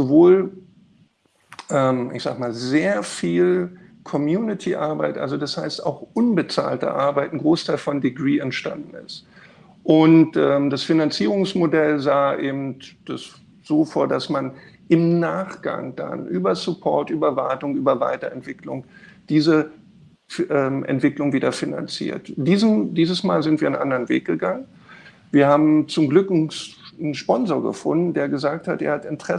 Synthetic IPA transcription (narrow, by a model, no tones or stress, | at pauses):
z̥ovoːl | ʔɛːmʔɪ̰çz̥a̰ːɡmaːlzeːɐfiːl | kʰɔmjuːnɪtʰiʔaɐba̰ɪtʔa̰lzodashaɪsta̰ʊxʔʊnbət͡sa̰ːltə̰ʔa̰ɐbaɪtn̩ɡʁoːstʰaɪlfɔndiɡʁiːɛntʃta̰ndn̩ɪ̰st | ʔʊntʔɛːmd̥asfinant͡siːʁ̞ʊŋsmodɛlzaːʔeːbm̩td̥as | z̥oːfoːɐdasman | ʔɪmnaːχɡ̥a̰ŋd̥a̰nʔyːbɐsʊpʰɔɐtʔyːbɐvaɐtʊŋʔyːbɐva̰ɪtɐɛntv̥ɪklʊŋd̥iːzə | ʔɛːmʔɛ̰ntv̥ɪklʊŋviːdɐfɪna̰nt͡sḭːɐtd̥iːzd̥iːzəsmaːlzɪntv̥iːɐanʔandɐʁənvḛːk̚ɡ̥əɡaŋən | viːɐhaːbm̩t͡sʊmɡlʏk | nʃpɔnzoɐɡə̰fʊndn̩deːɐɡəzaːk̚thatʔḛːɐhatɪntʁ̥ɛ